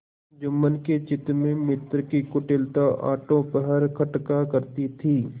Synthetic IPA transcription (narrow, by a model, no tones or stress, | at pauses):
d͡ʒɐmːənket͡ʃɪt̪mẽmɪt̪ɾkikʊʈɪlt̪aʔa̰ːʈõpəɦəɾkʰɐʈkakəɾt̪it̪ʰiː